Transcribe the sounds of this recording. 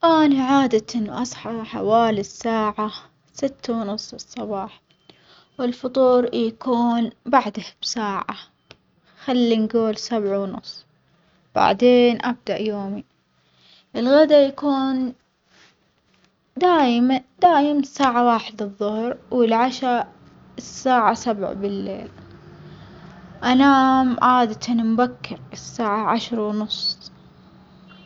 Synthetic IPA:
ʔaːniʕaːd̪aʔɪn̰ːʔɑsˤħɑħa̰waːlisːaːʕa | sɪt̪ːawnʊsˤːsˤːɑbɑːħ | wɪlfʊt̪ˤuːɾjakuːnbaʕd̪ab̥saːʕa̰ | xalːinɡuːlsabʕawnʊ̰sˤː | b̥a̰ʕd̪eːnʔab̚d̪aʔjoːmi | ʔɪlɣad̪ajakuːn | d̪aːjmad̪aːjmasaːʕawaːħɪd̪ɨðˤːʊhɾwɪlʕaʃɑ | ɪsːaːʕasabʕbɪlːḛːl | ʔanaːmʕaːd̪at̪anmbakːɪɾɪsːaːʕaʕaʃɾˤawnʊsˤː

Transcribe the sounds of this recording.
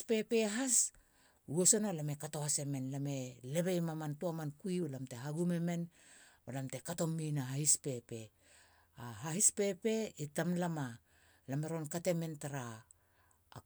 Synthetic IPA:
pe̞pe̞ɦas | ueso̞nalame̞kato̞hase̞me̞nlame̞le̞βejmamantuamankuiolamte̞ɦaɡume̞me̞n | olamte̞kato̞mːinaɦahispe̞pe̞ | aɦahispe̞pe̞itamlama | lame̞ɾonkate̞me̞ntaɾaː

